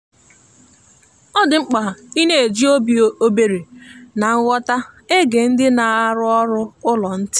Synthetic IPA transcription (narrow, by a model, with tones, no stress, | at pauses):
ɔ˦dɪ˨ŋ͡m̩˦k͡pa˨i˦ne˦e˨d͡ʒi˦o˦bi˨o˦be˨ɾe˨na˨ŋ̩˦ɣʷɔ˦ta˦e˦ɡe˨n̩˦dɪ˦na˨a˦ɾʊ˦ɔ˦ɾʊ˦ʊ˦lɔ˨n̩˦tɪ̥˦